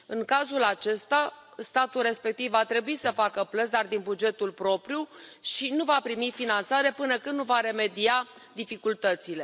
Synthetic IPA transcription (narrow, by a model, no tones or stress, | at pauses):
ɨŋkazulat͡ʃe̞st̪a | st̪at̪ulre̞spe̞k̚t̪ivːat̪ɾe̞buisəfakəplət̪sd̪ard̪inbud͡ʒe̞t̪ulpɾo̞pɾjuʃinuvapɾimifinant̪saɾe̞pɨnəkɨnd̪nuvaɾe̞me̞d̪ia | d̪ifikult̪ət̪sile̞